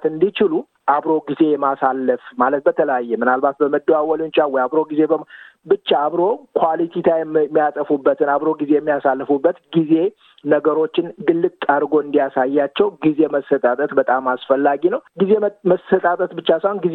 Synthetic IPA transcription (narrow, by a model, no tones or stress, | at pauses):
t̪ɨnd̪it͡ʃɪlu | ʔaβɾo̞ɡize̞jɛmasalːəfmalət̪̚bət̪ʰələjajːɛmɨnalbat̪bəməd̪ːoawɔlɨnt͡ʃʼawɔjaβɾo̞ɡize̞bəm | bɨt͡ʃːaːβɾo̞kʰwalit̪ʰit̪ʰajɛmːijasʼəfubːət̪ʰɨnaβɾo̞ɡize̞jɛmːijasalːəfubːət̪ɡize̞ | nəɡəɾo̞t͡ʃːɪnɡɨlːɨɡt̪ʼaɾɡo̞ɨnd̪ijasajːat͡ʃːɛwɡize̞məsːət̪ʼat̪ʼət̪bət̪ʼamasfəlːaɡinəwɡizeməsət̪ʼat̪ʼət̪bɨt͡ʃːasəhonɡiz